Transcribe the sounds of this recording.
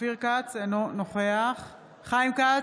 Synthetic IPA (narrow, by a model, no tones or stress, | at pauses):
iʁkat͡senonoχeaχ | χajmka